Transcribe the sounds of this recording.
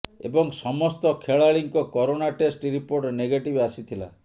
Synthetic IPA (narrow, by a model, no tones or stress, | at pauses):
ebɔŋsɔmɔst̪ɔkʰeɭaɭiŋkɔkɔɾonaʈesʈɾipoɾʈneɡeʈibasit̪ʰila̰